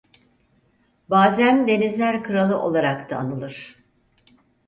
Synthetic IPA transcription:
baːzænd̪e̞nizlʲæɾkʰɯɾalˠɯʔo̞̰lˠaɾakt̪ʰaːnɯlˠɯɾ̥

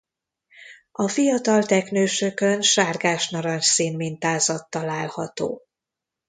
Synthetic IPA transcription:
ɒfijɒt̪ɒlt̪ɛknøːʃøkønʃaːrɡaːʃnɒɾɒnʃsiːnmint̪aːzɒt̪ːɒlaːlhɒt̪o̰ː

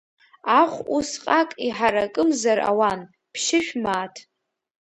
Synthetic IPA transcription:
aχʷusqʼakʼiħaɾakʼɨmzara̰wan | pʰʃɪʃᶣmaːtʰ

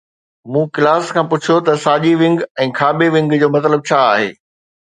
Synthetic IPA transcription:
mũːkɪlaːskʰãːpʊt͡ɕʰijot̪ɐsaːʄiʋɪ̃ŋɡɛ̃ːkʰaːbeʋɪ̃ŋɡd͡ʑoːmɐt̪̬ləb̚t͡ɕʰaːaːɦḛː

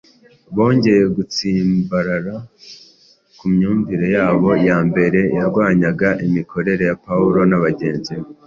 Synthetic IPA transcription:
βo̞ːɲɟe̞je̞ɡut͡siːmbaɾaɾa | kumɲuːɱviɾejaːβo̞jaːmbe̞ɾe̞jaɾɡwaːɲaɡaʔimikʰo̞ɾe̞ɾe̞japauɾo̞naβaɟe̞ːnzi

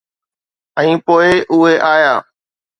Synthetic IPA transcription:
ɛ̃ĩːpoːɪʔʊɦeːʔaːjaː

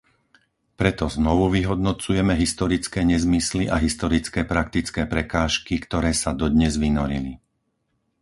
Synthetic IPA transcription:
pɾɛt̪ɔznɔʋuʋiɦɔd̪nɔt͡sujɛmɛɦist̪ɔɾit͡skɛːɲɛzmisliʔaɦist̪ɔɾit͡skɛːpɾakt̪it͡skɛːpɾɛkaːʃkikt̪ɔɾɛːsad̪ɔd̪ɲɛzʋinɔɾili

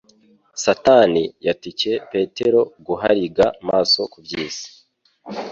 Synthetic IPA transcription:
satanijatice̞pe̞te̞ɾo̞ɡuɦaɾiɡamaːso̞kubɟiːsi̥

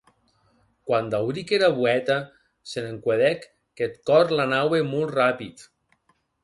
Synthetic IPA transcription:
kwand̪awɾikeɾaβuɛt̪a | seneŋkweðɛkː | ɛt̪kɔɾlanawemɔlˠt̪rapit̪

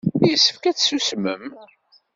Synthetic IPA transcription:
ijəsəfkæt͡ssusmə̰m

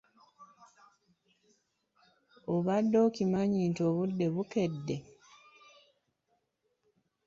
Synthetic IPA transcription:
oβadːoːkimaɲiːntoːβudːe̞βuke̞dːe̞

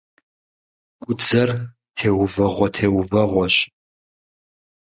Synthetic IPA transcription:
kʷʼʊd͡zɐr | tʰeːwʊvɐʁʷɔtʰeːwʊvɐʁʷɔɕʼ

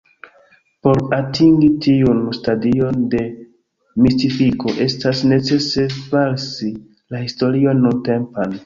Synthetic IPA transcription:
po̞ɾatʰiŋɡitiunstadio̞nde̞ | mistifiko̞ʔe̞stasne̞t͡se̞se̞falsi | lahisto̞ɾio̞nːunte̞mpan

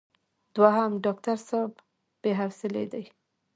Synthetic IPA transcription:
d̪waɦamɖɑk̚t̪aɾsab | b̥eɦawsɪlḛd̪aj

